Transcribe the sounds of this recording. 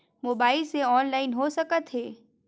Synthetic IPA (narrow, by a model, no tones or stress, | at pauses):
moːbaːɪlseɔːnlaːɪnɦosɐkət̪ɦeː